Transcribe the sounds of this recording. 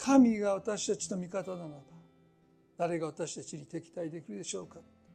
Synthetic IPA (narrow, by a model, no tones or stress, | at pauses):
kʰamʲiɡaβat̪aɕi̥t̪at͡ɕi̥t̪o̞mʲikat̪ananab̪a | d̪̥aɾe̞ɡaβat̪aɕi̥t̪at͡ɕiɲʲit̪e̞kʲi̥t̪aid̪e̞kʲiɾɯ̟d̪e̞ɕo̞ːkat̪